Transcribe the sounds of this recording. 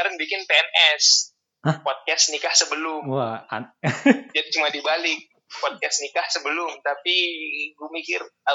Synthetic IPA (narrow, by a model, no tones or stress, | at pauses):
aɾənbikɪnpeɛnʔɛs | pɔd̚kɛsnikahsəbəlʊma̰ | d͡ʒadit͡ʃumadibalɪk̚ | pɔd̚kɛsnikahsəbəlʊmt̪apiɡumikɪra